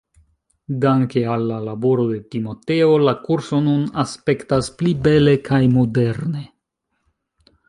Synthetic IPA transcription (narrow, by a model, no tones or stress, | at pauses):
daŋke̞alːalabo̞ɾo̞de̞timo̞te̞o̞lakuɾso̞nunaspe̞ktasplibe̞le̞kʰajmode̞ɾne̞